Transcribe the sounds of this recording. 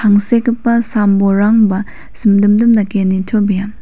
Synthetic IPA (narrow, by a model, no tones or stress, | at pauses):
taŋsekipːɐsamboɾaŋbɐ | simdɯmdɯmnɐkenitʰobijam